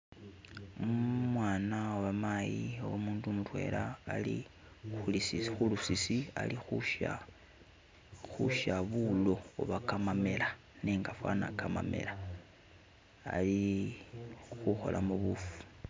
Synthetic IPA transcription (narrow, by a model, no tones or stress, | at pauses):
mwaːnaoβamajiowomuːndumutwe̞̰ːlaːlḭ | xulisisxulusisia̰lixuʃa̰ | xṵʃaβulo̞uβakamamela | neːŋɡafwa̰na̰kʰama̰me̞̰la | li | xuxo̞̰lʔamuβufu̥